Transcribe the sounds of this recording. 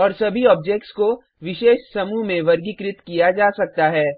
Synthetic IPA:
ɔːɾsɐbʱiɔːb̚d͡ʒɛk̚ʈsko | ʋɪʃeːʃsɐmumẽʋɐɾɡikɾɪt̪kijad͡ʒaːsɐk̚t̪aɦɛː

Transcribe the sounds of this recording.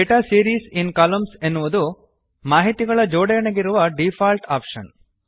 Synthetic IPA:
eʈaːsiːɾiːsinkaːlɐmsenːuʋud̪u | maːɦit̪iɡɐɭɐd͡ʒɔːɽɐjɐɳeɡiɾuʋɐɖipʰaːlʈaːpʂɐ̰n

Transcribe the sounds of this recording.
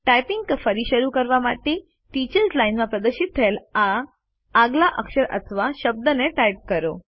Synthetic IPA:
ʈajpiŋɡəfəɾiʃəɾukəɾʋamaʈe | ʈit͡ɕəɾzlainmãpɾəd̪əɾʃit̪̚t̪ʰːəelaː | ɡlaʔəkʃəɾʔə̰t̪ʰəʋaʃəb̚d̪əneʈajp̚kəɾo

